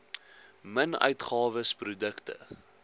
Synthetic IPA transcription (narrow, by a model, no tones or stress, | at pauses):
mənœ̰ɥtχɑːvəsprudəktə̰